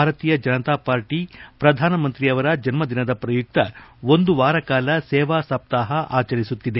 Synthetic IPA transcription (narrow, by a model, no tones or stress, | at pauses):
bʱaːɾɐt̪iːjɐd͡ʒɐnɐt̪aːpaːɾʈipɾɐd̪ʱaːnɐmɐnt̪ɾiɐʋɐɾɐd͡ʒɐnmɐd̪inɐd̪ɐpɾɐjuk̚t̪ɐo̞nd̪uʋaːɾɐkaːlɐsɛːʋaːsɐp̚t̪aːɦɐʔaːt͡ʃɐɾisut̪ːid̪e